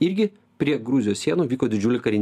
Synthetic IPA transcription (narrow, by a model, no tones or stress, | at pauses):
ɪɾʲɡʲɪ | pʲɾʲiɛɡɾʊzʲɪjoːsʲiɛnuːʋʲiːkoːd̪ʲɪd͡ʒʲuːlʲɪkɐɾʲɪnʲ